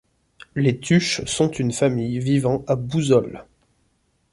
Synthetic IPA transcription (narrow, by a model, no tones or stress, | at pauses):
let̪ʰyʃsɔ̃t̪ynfamijvivɑ̃abuzɔl